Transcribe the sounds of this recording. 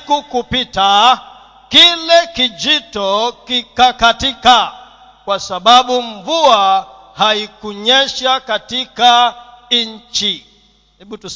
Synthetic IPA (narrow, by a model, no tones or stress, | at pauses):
kukupita | kilɛkid͡ʒitɔkikakatika | kwasaɓaɓuɱvua | haikuɲɛʃakatika | ɲ̩t͡ʃi | hɛɓutu